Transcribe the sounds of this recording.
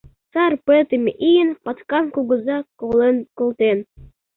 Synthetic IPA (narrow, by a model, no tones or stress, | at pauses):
t͡sɑrpet̪ə̆mʲeʔijənpɑt̪kɑmkuɣə̆zɑkolenkolˠt̪en